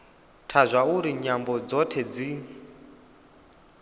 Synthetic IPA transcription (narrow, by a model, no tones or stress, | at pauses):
tʰazʷauɾiɲambɔd͡zɔtʰɛd͡zi